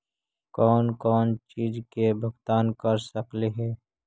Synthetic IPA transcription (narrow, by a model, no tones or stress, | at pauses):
kɔːnkɔːnt͡ʃiːd͡ʒkebʱʊɡt̪aːnkəɾsəkleɦɛː